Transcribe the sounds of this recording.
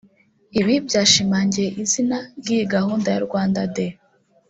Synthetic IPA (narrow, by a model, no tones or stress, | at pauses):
iβibjaːʃimaːɲɟeʔizinaɾɡiiɡahuːndaja̰ɾɡwaːndade